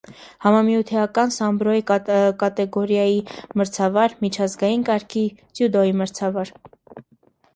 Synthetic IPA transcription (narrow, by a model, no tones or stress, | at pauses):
hɑmɑmjut̪ʰɛɑkɑnsɑmbɾɔjikɑt̪ɛɡɔɾjɑjiməɾt͡sʰɑvɑɾmit͡ʃʰɑzɡɑjinkɑɾkʰit͡sjud̪ɔjiməɾt͡sʰɑvɑɾ